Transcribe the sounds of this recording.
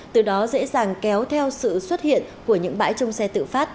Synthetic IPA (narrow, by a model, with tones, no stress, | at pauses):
t̪ɨ˨˩ɗɔ˨˦zḛ˧˥zaː˨˩ŋkɛ˨˦wt̪ʰɛ˧wsɨ̰˧˨swə˦˥t̚hḭ˧˨ənku˧˩əɲɨ̰˧˥ŋɓa̰ː˧˥jt͡ɕə˧wŋ͡msɛ˧t̪ɨ̰˧˨faː˦˥t̚